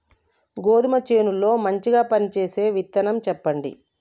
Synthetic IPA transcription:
ɡoːd̪umɐt͡ʃe̞ːnulːo̞ːmɐɲt͡ʃiɡaːpɐnit͡ʃe̞ːse̞ːʋit̪ːɐnɐmt͡ʃɛpːɐɳɖḭ

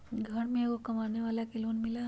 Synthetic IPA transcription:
ɡʱəɳmeɡokəmaneʋaljakeluːnmila

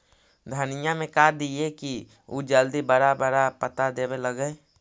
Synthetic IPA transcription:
d̪ʱənɪjamẽkaːɾd̪ieki | uːd͡ʒəld̪ibəɾabəɾapət̪ad̪eːbeləɡɛː

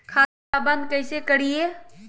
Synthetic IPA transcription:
kʰaː | abə̃nd̪kɐɪsekɐɽie

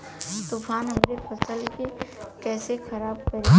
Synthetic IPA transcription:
t̪uːfaːnɦɐmɾefʰɐsəlkekɛːsexɐɾaːb̚kɐɾi

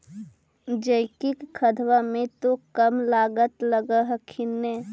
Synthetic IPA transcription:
d͡ʒəɪkikkʰːəd̪ʱʋamẽt̪okəmlaːɡət̪ləɡəɦkʰɪnːe

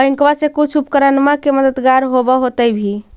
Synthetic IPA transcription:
əɦĩŋkʋasẽkut͡ʃʰupkəɾənmakeməd̪əd̪ɡaɾɦobɔɦot̪əbʱi

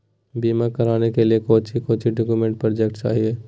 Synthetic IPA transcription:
biːmakɐɾaːnekeliekoːt͡ʃʰikoːt͡ʃiɖoːkjumẽɳʈ̚pɾɔɾd͡ʒek̚ʈt͡ʃa̰ːɦie

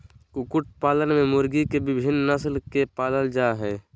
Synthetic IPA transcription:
kʊkʊʈ̚paːlənmẽmʊɾɡikebɪbʱɪnːəslkepaːləld͡ʒaːɦɛː

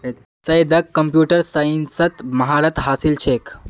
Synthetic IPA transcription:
sɐjd̪əkːəmpjuːʈəɾsaənsət̪mɐɦaɾət̪ɦaːsilt͡ʃʰek

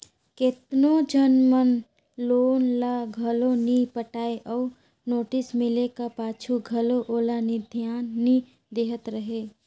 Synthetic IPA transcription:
kɪt̪nod͡ʒənmən | loːnlaɡʱɐloniːpəʈaːeʔɔː | noːʈɪsmɪlekapaːt͡ʃʰuɡʱɐloʔoːlanid̪ʱjaːnːi | d̪eːɦət̪ɾəɦeː

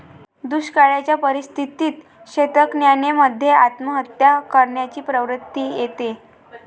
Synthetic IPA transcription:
d̪uɕkaɭjat͡ɕjapəɾist̪ʰit̪iːt̪ | ɕet̪əknjaneməd̪ʱːjeat̪məɦət̪jakəɾɳjat͡ɕiːpɾəʋɾət̪ːiːjet̪e

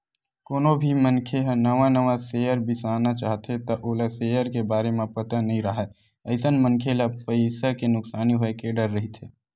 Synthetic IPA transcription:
koːnobʱimənkʰeɦnəʋanəʋaseəɾbɪsaːnat͡ʃaːɦt̪ʰet̪ɐʔoːlaseːjəɾkebaːɾemẽpət̪ənəɦĩɾəɦɛ | əɪsənmənkʰelapəɪsakenʊksaːniɦoekeɖəɾːəɦit̪ʰeː

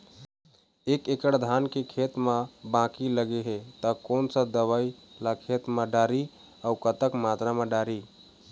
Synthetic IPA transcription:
ekekəɽd̪ʱankekʰet̪mebãkiləɡeɦet̪əkoːnsə̃d̪əʋailakʰet̪meɖaːɾi | aukət̪əkmat̪ɾameɖaɾi

